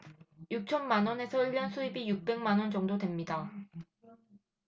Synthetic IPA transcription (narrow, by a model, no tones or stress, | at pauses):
juk̚t͡ɕʰʌnmanwʌne̞sʰʌiʎːʌnsʰuibijuk̚p͈e̞ŋmanwʌnd͡ʑʌŋdodwe̞mɲida